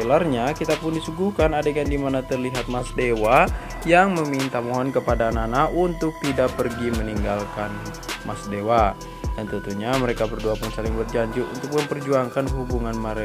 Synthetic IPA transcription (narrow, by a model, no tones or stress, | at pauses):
elarɲakit̪apʊndisuɡuhkanadakandimanat̪ərliɦat̪̚masdewa | jaŋməmint̪amoɦɔnkəpadananaʔunt̪ʊk̚t̪idapərɡiməniŋɡalkan | mʔasdewa | t̪ənt̪ənt̪uɲaməɾekabərduapʊnsalɪŋbərd͡ʒaɲd͡ʒiṵnt̪ʊk̚məmpərd͡ʒuaŋkanɦubuŋanməɾe